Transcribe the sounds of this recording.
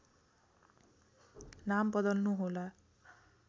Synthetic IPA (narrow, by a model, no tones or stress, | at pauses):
nambʌd̪ʌlnuɦola